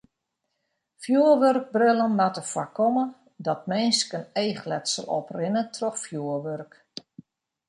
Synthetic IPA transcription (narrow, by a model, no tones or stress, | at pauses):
fjuəʋørk̚brɪlˠənmatəfwakɔmə | dɔt̚mɪnskənejxlɛtsə̰lˠɔ̰prɪnətʰrɔxfjuəʋørk